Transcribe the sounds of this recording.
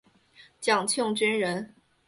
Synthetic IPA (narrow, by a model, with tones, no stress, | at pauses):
t͡ɕjɑ˨˩ŋt͡ɕʰjʊ˥˧ŋt͡ɕy˥nɻə˧˥n